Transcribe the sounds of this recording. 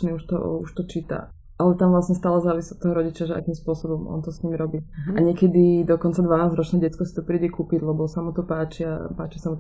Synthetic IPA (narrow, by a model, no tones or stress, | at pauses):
niuʃt̪ɔ̰uʃt̪ɔt͡ʃiːt̪a̰ | ʔalɛt̪amʋlasɲɛst̪aːlazaːʋisiɔt̪ːɔɦɔɾɔɟit͡ʃɪaʒɛa̰kiːmspʊɔsɔbɔmʔɔ̰nt̪ɔsɲiːmiɾɔbiaɲɪɛkɛd̪id̪ɔkɔnt͡sad̪ʋanaːzɾɔt͡ʃnɛːɟɛt͡skɔsi̥t̪ɔpɾiːɟɛkuːpiɟlɛbɔsamut̪ɔpaːt͡ʃia̰paːt͡ʃisamu